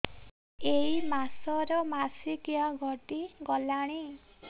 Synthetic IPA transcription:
eimasɔɾɔmasikiɔɡʱɔʈiɡɔlaɽ̃i

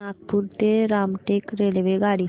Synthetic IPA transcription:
aːk̚puɾt̪eɾaːmʈeːkɾeːleʋeɡaːɽiː

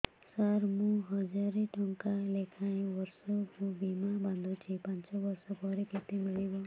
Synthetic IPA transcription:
saɾmũɦʌd͡ʒaɾiʈɔŋkalekʰaĩʋʌɾsɔkũbimabãnd̪ʱũt͡ʃʰipãnt͡ʃɔbʌɾsɔbʱɔɾeket̪emiɭibo

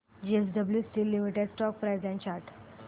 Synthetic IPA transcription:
d͡ʑies̬ɖəbljusiːlːimiʈeɖsʈɔk̚pɾajd͡zjãɲt͡ɕaɾʈʰ

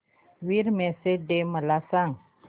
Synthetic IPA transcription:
wiɾmesedeməlasaŋ

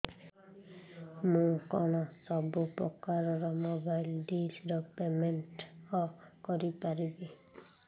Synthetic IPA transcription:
mũkɔɽ̃ɔsɔbupɾɔkaɾɔɾɔmobajlɖid͡ʒɾɔpemenʈɔkɔɾipaɾibi

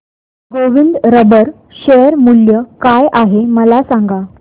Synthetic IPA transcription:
ɡoʋind̪ɾəbəɾ | ɕejəɾmuljəkajaɦeməlasaŋɡa

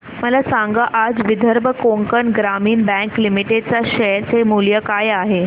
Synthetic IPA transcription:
məlasãŋɡəʔad͡zʋid̪ʱəɾbʱəkoŋkəɳɡɾamiːnbɛ̃ŋklimiʈeɖ̚t͡saɕɛɾt͡semuljəkajaɦe

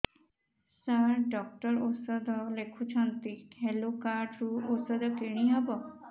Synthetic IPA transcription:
saɾɖɔk̚ʈɔɾosɔd̪ɔlekʰut͡ʃʰɔnt̪ihɛlokaɾɖɾuosɔd̪ɔkiɽ̃ĩɦabɔ

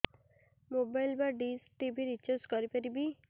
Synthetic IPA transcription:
mobajlbaɖis̚ʈibʱiɾit͡ʃaskɔɾipaɾibi

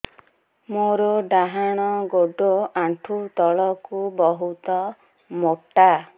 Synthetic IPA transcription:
moɾɔɖaɦaɽ̃ɔɡoɖoaɳʈʰut̪ɔɭɔkubɔɦut̪ɔ | moʈa

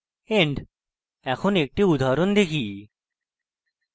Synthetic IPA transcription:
eɳɖ | ɛkʰonek̚ʈiud̪ʱaɾond̪ekʰi

